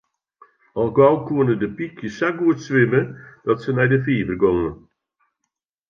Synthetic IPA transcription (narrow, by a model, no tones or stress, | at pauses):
ɔlˠɡɔwkuənədəpikʰjəsaɡuətsʋɪməd̥ɔtsənɛjdəfiːvərɡoŋən